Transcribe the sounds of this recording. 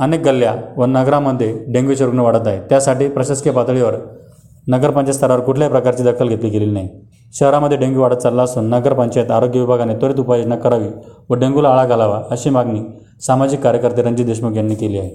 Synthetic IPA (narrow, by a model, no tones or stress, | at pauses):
ənek̚ɡəlːjaʋənəɡɾaməd̪ʱːjeɖẽŋɡuɕəɾukneʋaɽət̪̬aɦet̪jasaʈiːpɾəɕaskjepat̪ɭiʋəɾ | nəɡəɾpəɲt͡ɕast̪ʰəɾaʋəɾkuʈʰljapɾəkaɾt͡ɕiːd̪əkʰəlɡʱet̪liːkeliːlinaɦj | ɕəɦɾaməd̪ʱːjeɖẽŋɡuʋaɽət̪̚t͡salːaəsuːnːəɡəɾpəɲt͡ɕat̪aɾoɡjəʋibʱaɡanet̪oɾiːt̪̬upajinəkːəɾaʋiʋəɖẽŋɡulaːɭaɡʱalaʋaəɕiːmaɡniː | samad͡ʑikːaɾjəkəɾt̪eɾəɲd͡ʑiːd̪eɕmuɡʱeɳnikeliːaɦe